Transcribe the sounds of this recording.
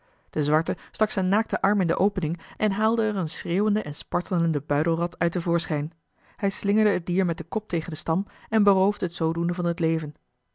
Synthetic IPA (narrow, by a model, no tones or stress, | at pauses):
d̥əzʋɑɹtəstɑksɛjnaːk̚təʔɑɹmɪndə̰ʔowpənɪŋʔɛnɦaːlˠdəɛrənsreːwəndəʔɛnspɑɹtələndəbœɥdəlˠrɑtœɥtəvʊːɹsχɛjn | hɛjslɪŋəɹdəɦəd̚diːɹmɛt̚dəkɔp̚tejχəndəstɑmɛnbərowvdəɦətsowdundəvɑnɦətlejvən